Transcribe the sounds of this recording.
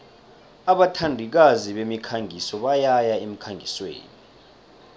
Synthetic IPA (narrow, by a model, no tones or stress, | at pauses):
aɓatʰandʱik̬aziɓemikʰaŋʱisɔɓajajaem̩kʰaŋɡʱiswḛːni